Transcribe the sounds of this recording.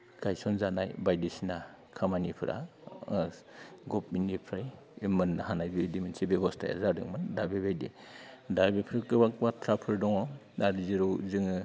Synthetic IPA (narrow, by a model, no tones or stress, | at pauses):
ɡ̥ajsɔnzanajbajdisina | kʰamanipʰɯɾʔa̰ | ɡɔp̚minipʰɾaj | mɯnːahanajbidiminsibeɡɔstʰa̰ja̰zadɯ̰ŋmɯndabebajdḭ | dabepʰɾakɯbak̚batʰɾapʰɯɾdɔŋɔ | naɾiziɾɔzɯŋɯ